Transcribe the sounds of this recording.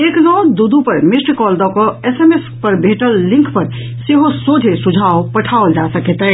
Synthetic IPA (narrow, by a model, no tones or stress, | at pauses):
eknɔd̪ud̪upəɾmisʈkɔld̪ɔkɔesemespəɾbʱeʈəlːĩŋkʰpəɾ | seɦosodʱesud͡ʒʱaopəʈʰaold͡ʒasəket̪ə